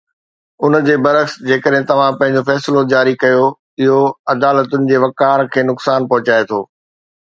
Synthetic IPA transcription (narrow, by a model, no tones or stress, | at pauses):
ʊnd͡ʑeːbɐɾəxsd͡ʑeːkəɗɦɪ̃t̪ɐʋ̤ãpɐ̃ɦɪ̃ɲ̆d͡ʑofɛːslod͡ʑaːɾikɐjo | ɪɦoɐd̪aːlət̪ʊnɪ̆d͡ʑeːʋɐkaːɾkʰeːnʊksaːnpɐɦʊt͡ɕaːet̪ʰoː